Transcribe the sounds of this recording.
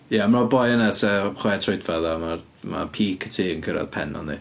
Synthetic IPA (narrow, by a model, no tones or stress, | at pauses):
jamrɔbɔjənatʰaχwɛtʰrojdfaðamar | ma̰pʰiːkʰə̥tʰiːənkʰəɾa̰ðpʰɛ̰nɔ̰nðḭ